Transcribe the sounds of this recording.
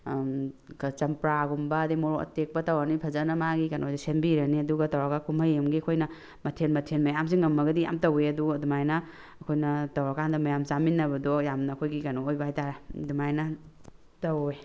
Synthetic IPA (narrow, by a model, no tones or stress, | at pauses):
kt͡ʃɐmpɾaɡumbɐdimoɾoɐ̰tek̚pɐtɐwanipʰɐzɐnɐmaɡikɐnodisembiɾɐniɐduɡɐtɐwɾakakʰumɐjemɡiɐkʰojnɐ | mɐtʰenmɐtʰenmɐjams̬iŋɐmːɐɡɐdija̰mtɐweɐduɐdumajnɐ | ɐkʰojnɐtɐwɾakʰandɐmɐjamt͡ʃaminːɐbɐdɔjamnɐːkʰojɡikɐnoːjbaajtaɾdumajnɐ | tɐwe